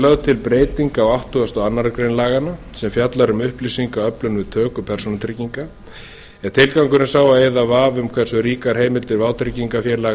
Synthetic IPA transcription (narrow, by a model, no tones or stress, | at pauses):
lœɣðt̪ʰɪlpɾeːjt̪iŋkaɔwawht̪uɣast̪ɔɣanːaɾakɾejnlaːɣana | sɛmfjat̪laɾʏmʏhplisiŋkaœplʏnvɪð̥t̪ʰœːkʏpʰɛrsɔnat̪ʰɾɪciŋka | ɛðt̪ʰɪlkawŋkʏɾɪnsaːwaeːjðavaːvʏmkʰvɛrsʏɾiːkaɾ̥ɦeːjmɪlt̪ɪɾvaːw̪t̪ʰɾɪciŋkafjɛɾlaː